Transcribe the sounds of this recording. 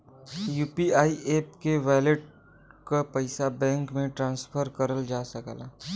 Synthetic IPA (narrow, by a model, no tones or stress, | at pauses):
juːpiaːieːpkeʋɛːlɪʈ̚ | kapɐɪsabɛ̃ːŋkmẽʈɾãːnspʰəɾkəɾəld͡ʒaːsəkla